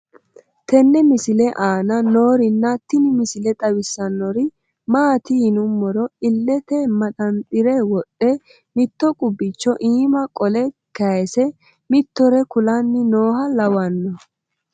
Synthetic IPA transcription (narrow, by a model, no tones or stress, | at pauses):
t̪ɛnːɛmɪsɪlɛʔaːnɐno̞ːɾɪnːɐt̪ːɪnɪmɪsɪlɛt̪ʼɐwɪsːɐnːɔɾɪ | maːt̪ɪːnʊmːɔɾɔɪlːɛt̪ɛmɐt̪ʼɐnt̪ʼɪɾɛwɔɗːɛ | mɪt̪ːɔkʼʊbːɪt͡ʃːɔʔiːmɐkʼɔlɛkɐsɛ | mɪt̪ːɔɾɛkʊlɐnːɪnoːɦɐlɐwɐnːɔ